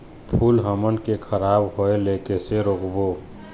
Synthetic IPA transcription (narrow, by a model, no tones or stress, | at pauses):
pʰuːlɦəmənkekʰəɾaːbɦoeleːkeseɾoːkbo